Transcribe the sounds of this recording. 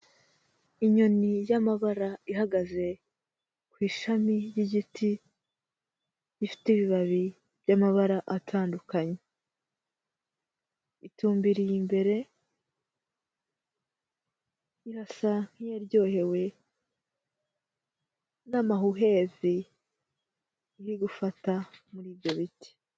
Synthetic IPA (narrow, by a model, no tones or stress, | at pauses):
iɲo̞nijamaβaɾaiɦaɡaze̞ | kwiːʃamijiɟitʰi | jifi̥tiβiβaβi | βɟamaβaɾaʔatʰaːndukaɲe | ituːmbiɾijimbe̞ɾe̞ | iɾasaŋ̥hijeɾjɟo̞ːhe̞we̞ | namaɦuɦe̞vi | iɾiɡufatamuɾiːβjo̞βiti̥